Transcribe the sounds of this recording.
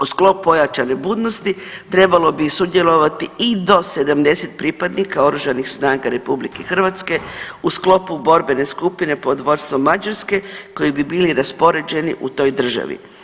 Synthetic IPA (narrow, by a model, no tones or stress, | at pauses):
usklo̞ppo̞jat͡ʃane̞buːd̪nost̪it̪ɾe̞balˠo̞bisud̪jelˠo̞ʋat̪iid̪o̞se̞d̪amd̪e̞set̪̚pɾipad̪nikao̞ɾuʒanixsnaːɡaɾe̞publikexr̩ʋat̪ske̞usklo̞pubo̞ɾbe̞ne̞skupine̞po̞d̪ʋo̞st̪ʋomad͡ʒaɾske̞ko̞jibibiːliɾaspo̞ɾe̞d͡ʑe̞nḭʔut̪o̞ːjd̪r̩ʒa̰ʋḭ